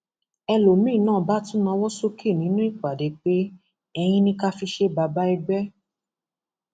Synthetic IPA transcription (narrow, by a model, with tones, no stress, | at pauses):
ɛ˧lo˨mĩ˦˨nãː˦˨ba˦tũ˦nã˧wɔ˦so˦ki˦˨nĩ˨˦nũ˦i˦˨k͡pa˨de˨˦k͡pe˦ | ɛ˧j̃ĩ˦nĩ˦ka˦fi˧ʃe˦ba˧ba˦i˧ɡ͡bɛ˦